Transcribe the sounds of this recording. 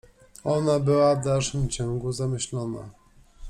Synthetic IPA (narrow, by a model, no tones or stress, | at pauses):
ɔnabɘwavd̪alʂɘmt͡ɕɔ̃ŋɡuzamɘɕlɔna̰